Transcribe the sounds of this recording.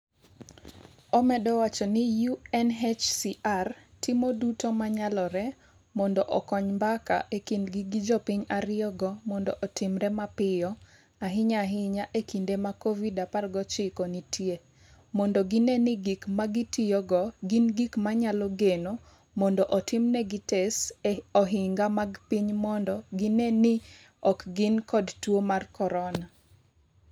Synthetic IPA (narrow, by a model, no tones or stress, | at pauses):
ɔmɛdɔwat͡ʃɔnɪjuɛnɦɛt͡ʃsiʔartʰɪmodutomaɲalɔɾɛ | mɔndɔʔɔkɔɲmbaka̰ʔekindɡɪɡɪd͡ʒɔpɪɲaɾɪɔɡɔmɔndɔʔɔtɪmɾɛmapɪjɔ | aɦɪɲaɦɪɲaʔekindemakovidaparɡɔt͡ʃɪkɔnitʰje | mɔndɔɡɪnenɪɡikmaɡɪtɪjɔɡɔɡɪnɡikmaɲalɔɡeno | mɔndɔʔɔtɪmnɛɡɪtɛsɔɦɪŋɡamaɡpiɲmɔndɔɡɪnenɪ | ɔkɡɪnkɔdtwomarkʰɔɾɔna